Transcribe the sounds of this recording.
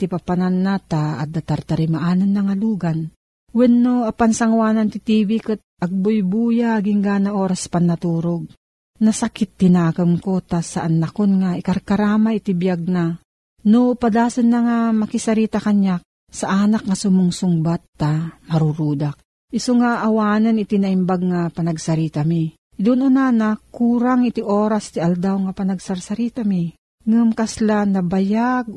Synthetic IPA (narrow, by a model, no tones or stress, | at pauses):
t̪ipapananːat̪a̰ːd̪at̪aɾt̪aɾimaʔananːɐŋaluːɡan | wɛnːoapansaŋwaːnant̪it̪iːbikɨt̪̚ʔɐɡ̚bʊjbuːjaɡɪŋɡaːnaʔoːɾaspanːɐt̪uːɾoɡ̚ | nɐsakɪt̪ːɪnaːkɨmkot̪asaʔanːakonŋaikaɾkaɾaːmait̪ibjaɡ̚na | nopad̪aːsɨnːaŋamɐkisaɾiːt̪akaɲa | saʔanakŋasʊmʊŋsʊŋbat̪ːamɐɾuɾuːd̪ak̚ | ʔɪsoŋaʔawaːnanɪt̪inaʔimbaɡ̚ŋapanaɡsaɾiːt̪ami | d̪unʔonanakuːɾaŋɪt̪iʔoːɾast̪iʔald̪awŋapanaɡsaɾsaɾiːt̪ami | ŋɨmkaslanɐbajaɡ̚